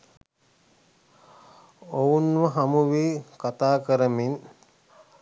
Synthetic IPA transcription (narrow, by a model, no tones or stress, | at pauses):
ounʋəɦamuʋiːkat̪aːkəɾəmin